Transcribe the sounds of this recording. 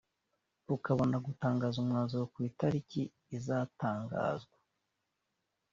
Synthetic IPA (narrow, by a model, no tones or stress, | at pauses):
ukaβo̞naɡutaːŋɡaːzumŋaːnzowokwiːtaɾiciː | zaːtaːŋɡa̰ːzɡwa